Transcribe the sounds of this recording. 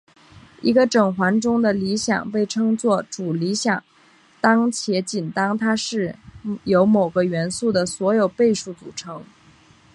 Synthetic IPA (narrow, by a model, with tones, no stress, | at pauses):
i˧˥ɡə˧ʈ͡ʂɤ˨˩ŋxwa˧˥nʈ͡ʂʊ˥ŋd̪ə˨li˧˥ɕjɑ̰˨˩ŋpe˥˩ɪʈ͡ʂʰɤ˥ŋt͡swɔ˥˩ʈ͡ʂu˨˩li˧˥ɕjɑ˨˩˦ŋ | t̪ɑ˥ŋt͡ɕʰjɛ˧˥t͡ɕi˨˩nt̪ɑ˥ŋt̪ʰa˥ʂɻ̩˥˩jo˧˥ʊmo˨˩ʊɡə˦ɥɛ˧˥nsu˥˩d̪ə˩swɔ˧˥jo˨˩ʊpe˥˧ɪʂu˥˩t͡sṵ˨˩ʈ͡ʂʰɤ˧˥ŋ